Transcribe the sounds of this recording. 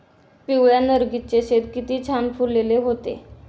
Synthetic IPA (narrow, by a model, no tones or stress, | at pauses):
piwjanəɾɡit̪t͡ɕeɕet̪kit̪iːt͡ɕʰanfuɾlːeleɦot̪ḛ